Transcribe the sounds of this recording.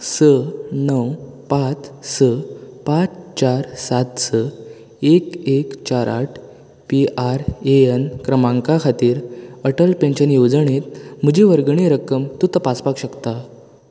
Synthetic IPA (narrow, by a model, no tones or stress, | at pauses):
sənəwpat͡ssəpat͡st͡ɕaɾsat̪sə | ekekt͡ɕaɾa̰ʈʰ | piʔaɾeənkɾəmãŋkakʰat̪iːɾəʈəlpeɲɕənjod͡zəɳet̪m̤əd͡ʑiʋəɾɡɳeɾəkəmt̪ut̪əpaspakɕəkt̪a